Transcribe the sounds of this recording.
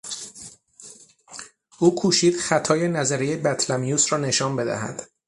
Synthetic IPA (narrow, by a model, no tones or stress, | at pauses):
ʔuːkʰuːʃiːd̪̥χæt̪ʰɒːje̞næzæɾejebæt̪ʰlæmijuːsrɒːne̞ʃɒːmbe̞d̪æ̰hæ̰d̪̥